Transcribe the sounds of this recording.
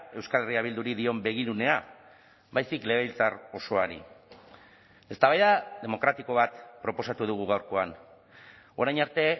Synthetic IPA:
e̞wskale̞riaβ̞ild̪uɾiðio̞mbe̞ɣ̞iɾune̞a | βajsikle̞ɣelt͡s̪aro̞so̞aɾḭ | e̞st̪aβajðaðe̞mo̞kɾat̪iko̞βat̪pɾo̞po̞sat̪uð̞uɣ̞uɣ̞awɾko̞an | o̞ɾajnaɾt̪e̞

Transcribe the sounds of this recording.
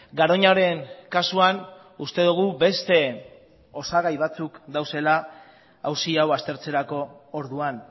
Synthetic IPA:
ɡaɾo̞ɲaɾe̞ŋkasuan | ust̪e̞ð̞uɣ̞ube̞st̪e̞ | o̞saɣajβat͡sukd̪awse̞laː | wsiawast̪e̞ɾt͡se̞ɾako̞ːɾðuan

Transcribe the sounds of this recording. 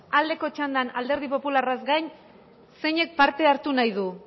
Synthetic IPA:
ald̪e̞ko̞t͡ʃand̪anald̪e̞ɾð̞ipo̞pularazɡajɲ | se̞ɲe̞k̚paɾt̪e̞aɾt̪unajðu

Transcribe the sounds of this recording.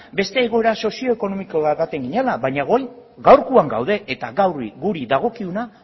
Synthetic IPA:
be̞st̪e̞ːɣ̞o̞e̞ɾaso̞sio̞eko̞no̞mikoβaβat̪e̞ŋɡiɲelaβajɲaɣo̞jɣawɾkuaŋɡa̰wðe̞ʔet̪aɣawriɡuɾiðaɣ̞o̞kiuna

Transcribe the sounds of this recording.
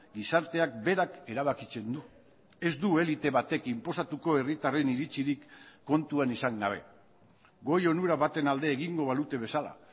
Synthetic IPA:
ɡisaɾt̪e̞ak̚be̞ɾake̞ɾaβ̞akit͡se̞nd̪u | e̞zd̪ue̞lit̪e̞βat̪e̞kimpo̞sat̪uko̞e̞rit̪are̞niɾit͡siɾikːo̞nt̪uanisaŋɡaβ̞e̞̰ | ɡo̞jo̞nuɾaβat̪e̞nald̪e̞ːɣiŋɡo̞β̞alut̪e̞β̞e̞sala̰

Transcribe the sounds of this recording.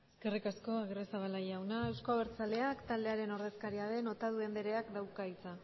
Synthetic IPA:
eske̞rikasko̞aɣɾesaβalajawnae̞wskaβeɾt͡sale̞akt̪ald̪e̞aɾe̞no̞ɾðe̞skaɾiaðe̞no̞t̪að̞ue̞mbe̞ɾe̞akd̪awkait͡sa

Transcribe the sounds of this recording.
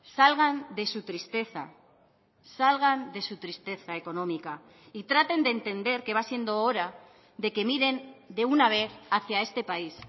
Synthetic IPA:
salɣ̞and̪e̞sut̪ɾist̪e̞θa̰ | salɣ̞and̪e̞sut̪ɾist̪e̞θae̞ko̞nõ̞mika | it̪ɾat̪e̞nd̪e̞nt̪e̞nd̪e̞ɾke̞βasje̞nd̪o̞oɾa | ðe̞ke̞miɾe̞nd̪e̞unaβe̞θaθjae̞st̪e̞pais

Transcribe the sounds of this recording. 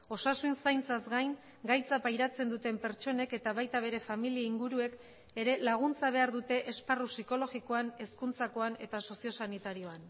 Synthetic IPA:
o̞sasunsajnt͡sazɡajŋ | ɡajt͡sapajɾat͡se̞nd̪ut̪e̞mpe̞ɾt͡ʃo̞ne̞ke̞t̪aβ̞ajt̪aβ̞e̞ɾe̞familiaiŋɡuɾue̞k | e̞ɾe̞laɣ̞unt͡saβ̞e̞aɾðut̪e̞ʔesparusiko̞lo̞ɣiko̞ane̞skunt͡sako̞ane̞t̪aso̞sio̞sanit̪aɾio̞an

